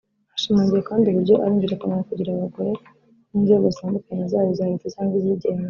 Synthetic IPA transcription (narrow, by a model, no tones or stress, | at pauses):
aʃamaːɲɟijakaːndiβuɾɟo̞ʔa̰ɾiːɲɟiɾakunanakuɟiɾaβaɡo̞ɾe̞ | ninzeɡozisaːndukaɲezaːβozahɾitacaːŋɡwiziɟeːma